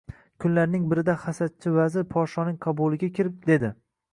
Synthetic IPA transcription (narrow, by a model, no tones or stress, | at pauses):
kʰʊnlaɾnɪŋbɪɾɪd̪aχasat̪̚t͡ʃʰɪvazɪɾpʰɒʃɒnɪŋqʰɑbʊlˠɪɡʲakʲʰɪɾɪp̚d̪e̞d̪ɪ